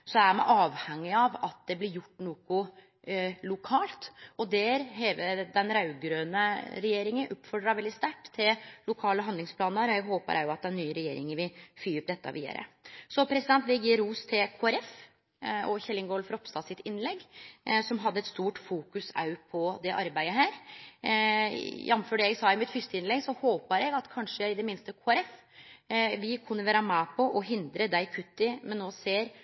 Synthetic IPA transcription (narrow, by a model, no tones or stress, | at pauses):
sɔæmɛʔɑːʋhɛŋːɪɑʋɑt̪̚d̪ɛblɪɾjʊʈːnuːkʊ | lʊkʰɑːlt̪ɔd̪ɛɾɦɛːʋəd̪ɛnɾɑʉɡɾøːnəɾɛjeːɾɪŋənʔʊpːfɔɖɾɑʋɛld̪ɪst̪æʈːt̪ʰːɪllʊkʰɑːləɦɑnd̪ɪŋspʰlɑːnnəɾɛɡɦoːpə̰ɾʔæ̰jʊɑt̪̚d̪ɛnːyːəɾɛjḛːɾɪŋənʋɪfyːʉp̚d̪ɛt̪ːɑ̰ʋʔḭːd̪ə̰ɾə̰sɔpʰɾɛsɪd̪ɛnt̪ʋɛjiːɾuːst̪ʰɛkʰoːæɾɛf | ɔçɛlːɪŋɡɔlfɾɔpst̪ɑːsɪt̪ɪnːlɛɡːsɔmɦɑd̪ːəɛt̪st̪uːʈfuːkʉsɑ̰ʉpʰɔd̪ɛʔɑɾbæɪəɦæːɾ | jɑnːføːɖəɛɡsɑːɪmɪt̪fʏst̪əɪnlɛɡsɔhoːpəɾɛɡɑt̪kʰɑnʂəɪd̪ɛmɪnst̪əkʰoːɛɾɛf | ʋɪkʰʉnːəʋæːɾəmæpʰɔʔɔɦɪnd̪ɾəd̪æɪkʰʉt̪ːɪmɛnːoːseːɾ